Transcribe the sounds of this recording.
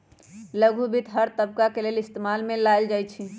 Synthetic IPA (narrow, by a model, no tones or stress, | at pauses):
ləɡʱubʱit̪ɦəɾt̪əbkakelelɪst̪emalmẽlajld͡ʒajt͡ʃʰi